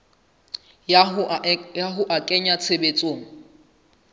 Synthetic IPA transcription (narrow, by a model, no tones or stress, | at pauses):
jaɦʊʔakʼɛɲat͡sʰebet͡sʼoːŋ̩